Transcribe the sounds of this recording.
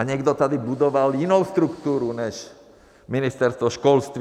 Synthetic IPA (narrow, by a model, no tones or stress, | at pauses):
aɲɪɛɡd̪ɔt̪ad̪ibud̪ɔʋalinɔʊst̪ɾukt̪uːɾuɲɛʃ | minist̪ɛɾst̪ʋɔʃkɔlst̪ʋ